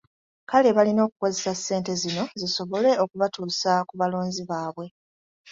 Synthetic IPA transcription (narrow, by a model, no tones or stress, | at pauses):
kale̞βalino̞ːku̥ko̞zesasːe̞ːnte̞zino̞ziso̞βo̞le̞okuβatuːsakuβalo̞ːnziβaːβwe̞